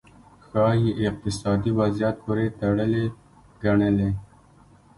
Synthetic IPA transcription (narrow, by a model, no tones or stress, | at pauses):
xɑjeʔɪq̚t̪ɪsɑd̪iwazijat̪̚poɾet̪aɽəle | ɡ̥aɳəle